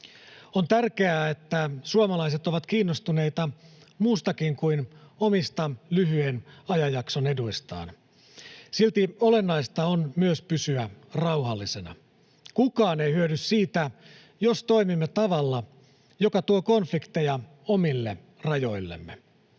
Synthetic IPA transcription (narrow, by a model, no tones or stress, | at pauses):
ont̪ærkeæːet̪ːæsuomɑlɑis̬et̪oʋɑt̪kiːnːost̪une̞it̪ɑmuːst̪ɑkiŋkuinomist̪ɑlyɦyenɑjɑjɑksone̞duist̪ɑ̰ːn | silt̪iole̞nːɑist̪ɑonmyøspysyærɑwhɑlːise̞nɑ̰ | kukɑːne̞jhyødyssiːt̪æ | jost̪o̞imimːet̪ɑʋɑlːɑ | jokɑt̪uoko̞nflikt̪ijɑ | omilːe | rɑjo̞ilːḛmːḛ